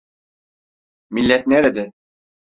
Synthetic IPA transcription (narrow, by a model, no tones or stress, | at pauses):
milʲːɛt̪̚nɛɾɛd̪ɪ